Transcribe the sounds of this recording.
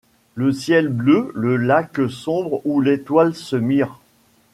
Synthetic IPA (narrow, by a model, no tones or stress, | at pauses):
ləsjɛlbløləlaksɔ̃bʁulet̪walsəmiʁ